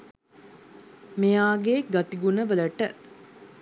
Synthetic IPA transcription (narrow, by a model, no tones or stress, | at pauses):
mejaːɡeːɡat̪iɡunəʋələʈə